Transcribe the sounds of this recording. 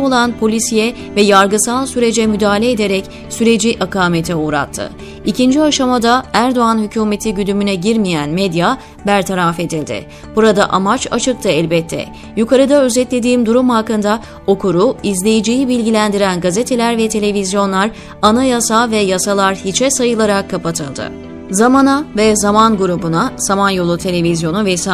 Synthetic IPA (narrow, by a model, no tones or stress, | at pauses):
olˠanpʰo̞lʲisijɛ | vɛjaɾɡɯsalˠsyɾe̞d͡ʒɛmyd̪aːlʲeːd̪e̞ɾɛc | syɾe̞d͡ʒiʔakaːmet̪ʰɛuːɾa̰t̪ʰːɯ̰ | icind͡ʒiaʃamad̪aæɾd̪o̞anhycʰuːme̞t̪ʰiɟyd̪ymynɛɟiɾmijænmɛd̪ja | bæɾt̪ʰaɾafe̞d̪ilʲd̪ɪ̰ | b̥uɾad̪a̰ʔamat͡ʃat͡ʃʰɯk̚t̪ʰɯɛlʲbɛt̪ʰːɛ̰ | jukʰaɾɯd̪aø̞zɛt̪lʲe̞d̪iːmd̪uɾumhakːɯnd̪a | o̞kʰuɾuizlʲe̞jid͡ʒijibilʲɟilʲænd̪iɾænɡazet̪ʰe̞lʲæɾvɛt̪ʰe̞lʲe̞vizjo̞nlˠaɾ | anajasavɛjasalˠaɾhit͡ʃʰɛsajɯlˠaɾakʰːapat̪ʰɯlˠd̪ɯ̰ | zamanavɛzamanɡuɾubunaz̥amanjo̞lˠut̪ʰe̞lʲe̞vizjo̞nuvɛs